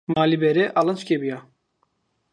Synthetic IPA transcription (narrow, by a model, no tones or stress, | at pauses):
maːlibɛɾɛʔalˠant͡ʃkʲebija